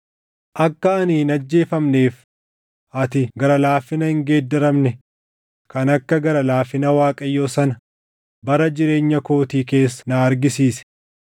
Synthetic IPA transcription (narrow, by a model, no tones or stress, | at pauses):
ʔɐkːɐɐniːnɐd͡ʒːe̞ːfɐmne̞ːf | ʔɐt̪ɪɡɐɾɐlaːfːɪnɐhɪŋɡe̞ːd̪ːɐɾɐmnɛ | kɐnɐkːɐɡɐɾɐlaːfɪnɐwaːkʼɐjːoːsɐnɐ | bɐɾɐd͡ʒɪɾe̞ːɲːɐko̞ːt̪iːke̞ːsːɐ̥naːɐɾɡɪsiːsɛ̥